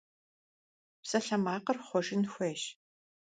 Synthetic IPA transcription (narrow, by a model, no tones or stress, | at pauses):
psɐɬɐmaːqɐrχʷɔʒɪnxʷeːʃ